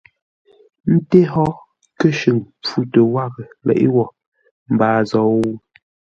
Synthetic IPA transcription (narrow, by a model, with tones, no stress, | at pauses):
n̩˦te˦hɔ˦ | kə˦ʃʉ˨ŋp͡fu˦tə˨wa˦˨ɣə˨lɛ̰˨ʔḭ˦wɔ˨ | m̩˨baː˨zɔ˨˦wu˦